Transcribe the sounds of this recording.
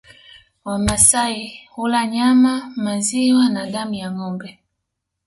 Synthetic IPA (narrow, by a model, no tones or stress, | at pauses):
wamasaihulaɲamamaziwanadamujaŋɔmbɛ